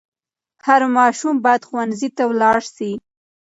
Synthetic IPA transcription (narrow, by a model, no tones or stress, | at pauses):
haɾmɑʃumbɑjad̪xwanzit̪awlɑɽsi